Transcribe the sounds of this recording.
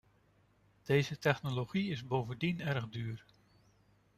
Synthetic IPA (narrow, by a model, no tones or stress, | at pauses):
d̥ejzətɛχnoloχiɪzbowvəndinɛɹχdyːɹ